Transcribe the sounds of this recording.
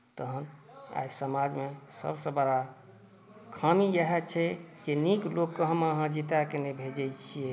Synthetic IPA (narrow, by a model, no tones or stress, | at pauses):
t̪əɦən | a̰jsəmad͡ʒmesə̰bsə̃bəɽa | kʰamijəɦɛt͡ʃʰɛd͡ʒeniklokːəɦəməɦãd͡ʒit̪akenebʱed͡ʒɛjt͡ʃʰijɛ